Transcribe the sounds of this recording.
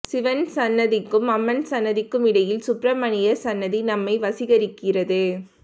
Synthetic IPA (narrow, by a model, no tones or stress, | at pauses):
sɪʋɐnsɐnːɐðɪkːɯmɐmːɐnsɐnːɐðɪkːɯmɪɽɐjɪlsʊpɾɐmɐɳɪjɐsɐnːɐðinɐmːɐɪʋɐsɪɣɐɾɪkːɪrɐðɯ